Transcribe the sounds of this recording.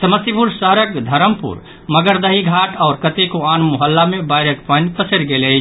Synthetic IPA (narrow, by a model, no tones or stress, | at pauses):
səməsipuɾsəɦɾək̚d̪ʱəɾəmpṵɾ | məɡəɾd̪əɦiɡʱaʈʰaʊɾkət̪ekoanmoɦəlːamebaɪɾəkpənpəsəɾɡelət͡ʃʰ